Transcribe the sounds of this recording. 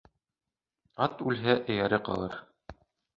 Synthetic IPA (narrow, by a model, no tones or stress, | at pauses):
ɑt̪ʉlɦæʔɘ̆jæɾɘqɑ̰lˠɤɾ